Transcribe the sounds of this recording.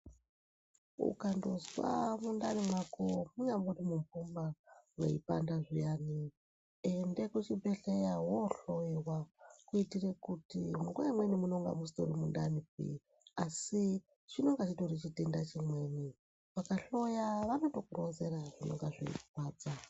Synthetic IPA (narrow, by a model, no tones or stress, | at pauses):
ṵkandozwa̰mundanimwakomuɲamborimumfumbawḛḭpa̰ndaʐijaːni | endekut͡ʃibeɬejawoɬojewakuitirekutimuŋɡojamwenimunoŋɡa̰mus̬to̰rimunda̰nipḭ | asi | t͡ʃino̞ŋɡat͡ʃitorit͡ʃitendat͡ʃimweːni | ʋakaɬo̞jaʋanotokuɾozeraʐ̥ino̞̰ŋɡaʐḛḭ̥paːt͡sa